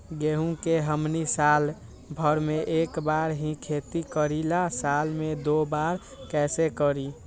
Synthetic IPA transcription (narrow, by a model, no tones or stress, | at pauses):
ɡeɦũkeɦəmnisal | bʱəɾmeʔekbaɾɦĩkʰet̪ikəɾilasalmed̪obaɾ | kɛsekəɾi